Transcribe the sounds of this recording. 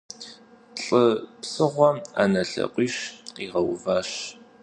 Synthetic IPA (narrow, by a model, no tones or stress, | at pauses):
ɬʼɨpsɨʁʷɔma̰ːnɐɬɐ̰qʷʼiːɕqiːʁɐwvaːɕ